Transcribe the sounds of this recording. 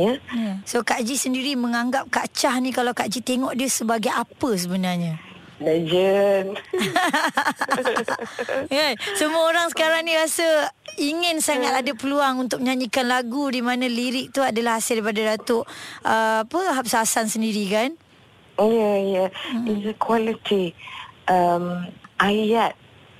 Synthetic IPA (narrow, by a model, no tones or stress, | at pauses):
jajasokaʔd͡ʒisəndiɾiməŋaŋɡap̚kat͡ʃahnikalawkaʔd͡ʒit̪eŋɔʔdiəsəbaɡajapəs̬əbənarɲə | lad͡ʒən | ɡasəmuəoɾaŋsə̥kaɾaŋnĩɾasəiŋɪnsaŋat̪adəpəluaŋunt̪ʊk̚mɲaɲikanlaɡudimanə̃liɾɪk̚t̪uadəlahasɪlipadadat̪ʊʔəpʊnɦap̚saasansəndiɾikan | jəijəizəkwalit̪ʰiʔəmʔajat̪̚